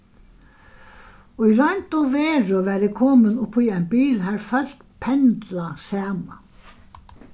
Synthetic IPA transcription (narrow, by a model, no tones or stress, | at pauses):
ɔiɾœjnt̪ɔvɛːɾʏvɛɾɪkʰɔːmɪnʊpʰːiɛjnbiːlɦaɾfœl̥t̪ | pʰɛnt̪lasaːma